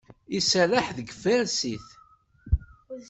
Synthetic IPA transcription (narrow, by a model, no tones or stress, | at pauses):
isælaħðəɡəfæɾsiθ